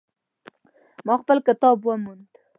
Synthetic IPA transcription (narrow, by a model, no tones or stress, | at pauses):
mɑxpəlkɪt̪ɑbwəmund̪